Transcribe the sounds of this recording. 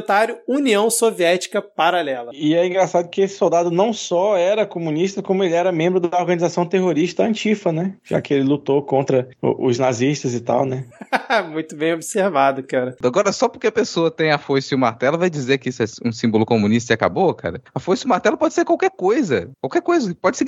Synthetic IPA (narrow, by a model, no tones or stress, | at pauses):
t̪aɾjʊuniɐ̃w̃soviɛt͡ʃi̥kɐpaɾalɛlɐɪɛĩɡɾasad̪ʊkɪesɪ̥sowd̪ad̪ʊnɐ̃w̃sɔɛɾɐkomũniʃt̪ɐkõmʊelɪɛɾɐmẽmbɾʊd̪ɐoɾɡɐ̃nizasɐ̃w̃t̪eɦoɾiʃt̪ɐɐ̃t͡ʃifɐnɛʒa̰kɪelɪlut̪okõnt̪ɾɐʊ̰ʔʊ̰znaziʃt̪ɐzɪt̪a̰wnɛmũj̃t̪ʊbẽj̃obiseɾvad̪ʊkaɾɐaɡɔɾɐsɔpoɾkeɐpesoɐt̪ẽj̃ɐfosiumaɾt̪ɛlɐvajd͡ʒizeɾkɪisʊɛũsĩmbʊlʊkomũniʃt̪ɐaka̰boka̰ɾɐɐfojsiumaɾt̪ɛlɐpɔd͡ʒɪseɾkwawkɛɾkojzɐkwawkɛɾkojzɐpɔd͡ʒɪse